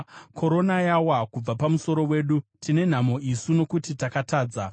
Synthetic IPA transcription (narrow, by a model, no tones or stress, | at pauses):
kʰo̞ɾo̞najawakub͡vapamuso̞ɾo̞we̞ːɗutine̞n̤amo̞ʔisuno̞kutitakataːd͡za